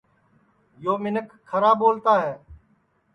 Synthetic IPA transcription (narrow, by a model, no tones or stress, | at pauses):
joːmɪnəkʰːəɾaːboːlt̪aːɦɛː